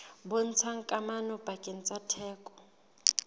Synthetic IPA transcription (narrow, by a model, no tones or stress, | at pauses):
bʊn̩t͡sʰaŋ̩kʼamanɔb̥akʼɪn̩t͡sʼatʰɛːkʼɔ̥